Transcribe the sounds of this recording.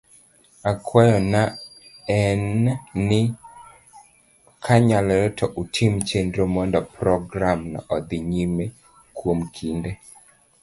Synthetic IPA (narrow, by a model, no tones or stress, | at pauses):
akʰwajɔnaɛnːɪ | kʰaɲalɛɾɛtʰɔʔutʰimt͡ʃendɾomɔndɔpɾɔɡɾamna̰ʔɔd̪ɪɲime | kwomkʰinde